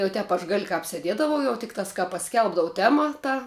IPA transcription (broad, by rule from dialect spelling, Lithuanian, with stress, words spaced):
jɛʊ ˈtʲɛp ɐʃ ɡɐlʲ kɑːp sʲɛˈdʲiɛdɐʋɐʊ jɛʊ ˈtʲɪktɑːs kɑː pɐˈsʲkʲɛlˠbdɐʋʊ ˈtʲæːmɐ ˈtɐ